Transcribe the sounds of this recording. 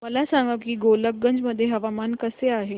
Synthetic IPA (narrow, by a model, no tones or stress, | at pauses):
məlasaŋɡəkiːɡolək̚ɡəɲd͡ʑməd̪ʱːjeɦəʋamankəseaɦe